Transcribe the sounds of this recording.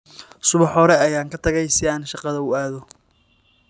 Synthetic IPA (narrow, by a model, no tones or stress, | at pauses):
sʊβɑħɔɾɛɐjaːŋkʰɐt̪ʰɐɣɛjsɪaːnʃɑqɑðɐʊaːðɔ